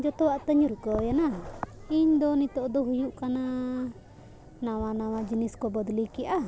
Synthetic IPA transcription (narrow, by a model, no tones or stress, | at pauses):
d͡ʒɔt̪ɔwaʔt̪əɲuɾkɔjanaiɲd̪ɔnit̪ɔd̪ɔɦujuʔkana | nawanawad͡ʒiniskɔbɔd̪likiʔa